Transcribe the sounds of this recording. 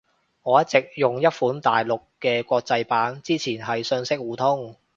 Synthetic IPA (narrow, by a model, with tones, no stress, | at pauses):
ŋɔː˨˧jɐ˥t̚t͡sɪ˨k̚jʊ˨ŋjɐ˥t̚fuː˨˥nt̪a̰ː˨˩jlʊ˨kːɛː˧kʷɔː˧k̚t͡sɐ˧jpaː˨˥nt͡siː˥t͡sʰiː˨˩nɦɐ˨jsɵ˧nsɪ˥k̚wuː˨˩t̪ʰʊ˥ŋ